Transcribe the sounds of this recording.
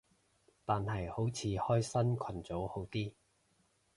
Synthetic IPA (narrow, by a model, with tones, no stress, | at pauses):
t̪aː˨nhɐ˨˩jho˨˥wt͡sʰiː˨˧hɔː˥jsɐ˥nkʷʰɐ˨˩nt͡so˨˥who˨˥wt̪iː˥